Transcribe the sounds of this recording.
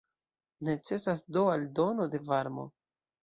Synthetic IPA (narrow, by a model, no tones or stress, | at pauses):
ne̞t͡se̞sasdoaldo̞no̞de̞vaɾmo̞̰